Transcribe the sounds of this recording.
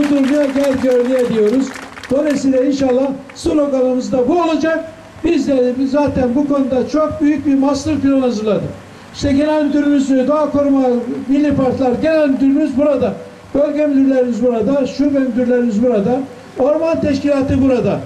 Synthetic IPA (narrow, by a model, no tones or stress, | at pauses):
ud̪uɾmjaɟælʲɟøøɾlʲijebiijo̞ɾuzd̪onesiːlʲɛinʃalˠːah | sɯloɡalˠɯmɯzd̪abuolˠad͡ʒak̚ | bizd̪ɛzaːt̪ʰænbukʰo̞nud̪at͡ʃʰo̞k̚byjyc̚bimaslˠɯɾpilʲˠonhazɯɾlˠad̪ɯ | i̥ʃt̪ʰɛɟelʲænd̪yɾymyzyd̪oakoɾumamilʲːipaɾt̪lˠaɾɟe̞lʲænd̪yɾymyzbuɾad̪a | b̥ølʲɟemyd̪yɾlʲeɾimizbuɾad̪aʃuvɛmyd̪yɾlʲeɾimizbuɾad̪a | o̞ɾmant̪ʰɛʃcilʲaːt̪ʰɯbuɾad̪a